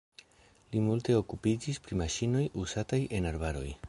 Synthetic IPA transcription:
limulte̞o̞kupid͡ʒispɾimaʃino̞juzatajʔe̞naɾbaɾo̞̰j

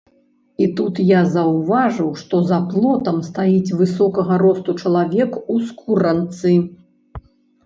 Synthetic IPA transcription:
it̪ut̪jazɐwvaʐɨwʂt̪ɔzɐplˠɔt̪ɐmst̪ajit͡sʲvɨsɔkɐɣɐɾɔst̪ut͡ʂɐlˠavʲɛkuskʰuɾɐnt̪sɨ

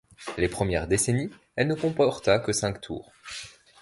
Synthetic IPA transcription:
lepχəmjɛʁd̪eseni | ɛlnəkɔ̃pɔʁt̪akəsɛ̃kt̪ʰṵːʁ

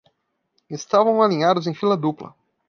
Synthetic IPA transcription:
est̪avɐ̃w̃alĩɲad̪ʊzẽj̃filɐd̪uplɐ̰

